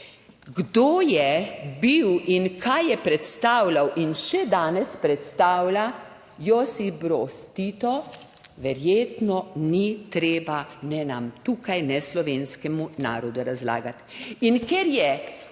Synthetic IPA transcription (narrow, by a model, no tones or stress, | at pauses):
ɡd̪oːjɛbiwinkʰajːɛpɾɛt̪st̪aːwlawʔinʃɛd̪aːnɛspɾɛt̪st̪aːwla | jɔsibɾɔst̪it̪ɔ | ʋɛɾjeːt̪nɔnit̪ɾeːbanɛnamt̪uːkajnɛslɔʋeːnskɛmuna̰ːɾɔd̪uɾazla̰ːɡat̪inkɛɾjɛ